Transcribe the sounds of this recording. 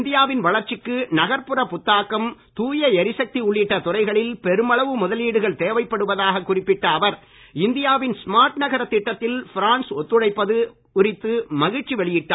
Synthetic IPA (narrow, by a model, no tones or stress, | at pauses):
nd̪ɪjaːʋɪnʋɐɭɐɾt͡ʃɪkːɯnɐɣɐɾpɯɾɐpʊt̪ːaːkɐmt̪uːjɐɛɾɪsɐk̚t̪iʊɭːɪʈːɐt̪ʊrɐɪɣɐɭɪlpɛɾɯmɐɭɐʋɯmʊðɐliːɽɯɣɐɭt̪eːʋɐɪpːɐɽɯʋɐðaːɣɐkːʊrɪpːɪʈːɐːʋɐɾ | ɪnd̪ɪjaːʋɪnsmaːɾʈnɐɣɐɾɐt̪ːɪʈːɐt̪ːɪlfɪɾaːnsɔt̪ːɯɽɐɪpːɐðɯ | ʊɾɪt̪ːɯmɐɣɪt͡ʃːiʋɛɭɪjɪʈːaː